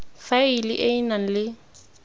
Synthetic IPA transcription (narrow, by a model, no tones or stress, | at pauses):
failɪʔeinan̩lɪ